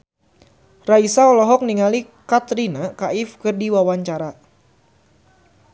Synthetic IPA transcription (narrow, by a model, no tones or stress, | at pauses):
raisaɔlɔɦɔk̚niŋali | kat̪ɾinakaɪfkɨrdiwawaɲt͡ʃaɾa